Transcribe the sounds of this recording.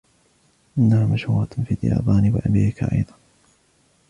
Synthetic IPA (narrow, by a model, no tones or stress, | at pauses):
ʔɪnːahamaʃhuːɾɑt̪fiːd̪ja̰ːbaːniːwɪ̰ʔabḭːbɪka̰ʔɑ̰jðˤɑn